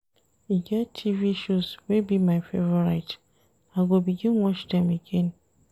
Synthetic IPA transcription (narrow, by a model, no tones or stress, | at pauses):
iɡɛttʰːiviʃuswebimãɪfevɔɹaɪt | aɪɡobiɡĩnwɔt͡ʃdɛ̃meɡɛ̃n